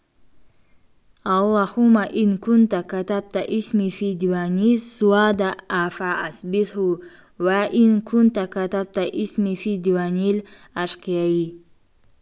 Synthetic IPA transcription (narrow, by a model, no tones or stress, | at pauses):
alːahumaʔinkunt̪akat̪ab̚t̪aʔismifid̪iwanisuwad̪aafaasbit̪hu | waʔinkʰunt̪akat̪ab̚t̪aʔismifid̪iwanilaʃqijaji